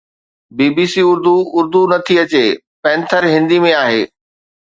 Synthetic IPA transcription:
biːbiːsiʊɾd̪uʔʊɾd̪unɐt̪ʰiɐt͡ɕe | pɛ̃ːnt̪ʰəɾɦɪ̃nd̪imẽaːɦeː

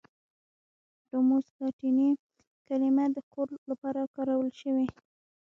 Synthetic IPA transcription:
ɖomuslɑʈini | kalimad̪əkoɾlapɑɾakɑɾawəlʃəwi

